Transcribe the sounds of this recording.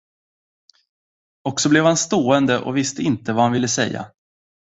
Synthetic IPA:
ɔksɔblɛvhanst̪oːɛnd̪əʔɔ̰vɪst̪əɪnt̪əvahanvɪlːəsɛ̰jːa̰

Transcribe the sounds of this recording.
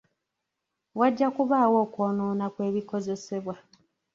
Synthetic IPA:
waɟːakuβaːwo̞ːkwoːnoːnakwe̞ːβiko̞ze̞se̞βwa

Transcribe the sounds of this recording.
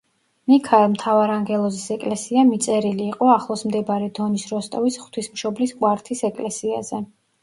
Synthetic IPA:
nikʰaɛlˠmt̪ʰavaɾaŋɡɛlˠɔzisɛkʼlɛsiamit̪sʼɛɾiliːqʼɔaχlˠɔsmd̪ɛbaɾɛd̪ɔnisɾɔst̪ʼɔvisχt̪ʰwismʃɔbliskʼwaɾt̪ʰisɛkʼlɛsia̰zɛ

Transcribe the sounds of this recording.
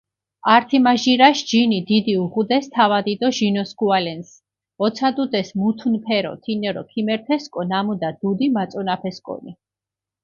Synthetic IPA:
aɾt̪ʰimaʒiɾaʃd͡ʒinid̪id̪iuʁud̪ɛst̪ʰavad̪id̪ɔʒinɔsɡualɛns | ɔt̪sʰad̪ud̪ɛsmut̪ʰunpʰɛɾɔ̰t̪ʰinɛɾɔ̰kʰimɛɾt̪ʰɛskʼɔnamud̪ad̪̥ud̪imat̪sʼɔnapʰɛskʼɔ̰ni

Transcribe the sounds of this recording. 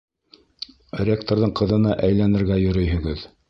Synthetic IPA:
rʲek̚t̪oɾðɤɴqɤ̆ðɤ̆nɑʔæjlænɘ̆ɾɡæjɵ̆ɾɵ̆jɦɵ̆ɡɘð

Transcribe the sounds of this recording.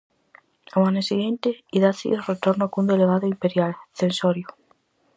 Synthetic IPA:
amaneseɣẽnt̪eiðaθḭeret̪oɾnoakund̪eleβ̞aðoimpeɾjalθensoɾjo

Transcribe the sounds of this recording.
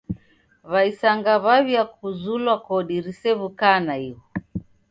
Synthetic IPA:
βaisaŋɡaβaβjakuzulwakɔɗiɾisɛβukanaiɔ

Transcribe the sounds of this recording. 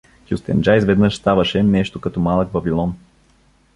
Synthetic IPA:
xʲjust̪ɛ̰nd͡ʒajsvɛd̪nɤʃst̪avɐʃɛnɛʃt̪okɐt̪ɔmalˠək̚bɐbilˠɔn

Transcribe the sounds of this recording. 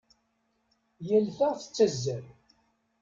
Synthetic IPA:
jælθəθə̥t͡sːæzːəɾ

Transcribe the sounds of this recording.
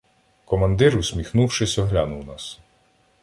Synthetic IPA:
kɔmɐnd̪ɪɾʊsʲmʲixnuwʃɪsʲɔɦlʲanʊwnɑs

